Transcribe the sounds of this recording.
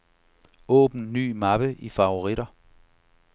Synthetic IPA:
ɔ̰̽ːb̥n̩ny̰ːmɑb̥əʔifɑ̈o̝ʁiɾɐ

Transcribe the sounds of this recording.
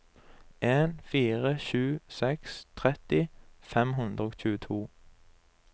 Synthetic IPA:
ʔeːnfiːʁəʃʉːsɛkst̪ʰʁɛt̪ɪfɛmɦʉnd̪ʁəoːɡc͡çʉːət̪ʰuː

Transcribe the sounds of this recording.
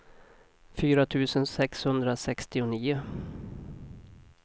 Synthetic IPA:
fyːɾat̪ʰʉ̟ːsənsɛkshɵnd̪ɾasɛkst̪ɪʊniːʊ

